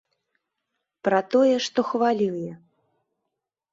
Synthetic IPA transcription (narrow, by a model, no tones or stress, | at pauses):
pɾɐt̪ɔjɛʂt̪ɔxvalʲiwjɛ